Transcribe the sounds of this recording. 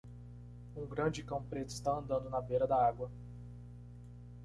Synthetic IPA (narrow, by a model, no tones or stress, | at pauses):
ũɡɾɐ̃d͡ʒɪkɐ̃w̃pɾet̪ʊist̪aɐ̃nd̪ɐ̃nd̪ʊnɐbejɾɐd̪ɐaɡwɐ